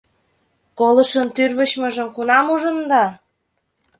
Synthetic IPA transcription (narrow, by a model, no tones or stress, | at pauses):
kolə̆ʃənt̪yrβə̆ɕmə̆ʒə̆mkunɑmuʒə̆nd̪ɑ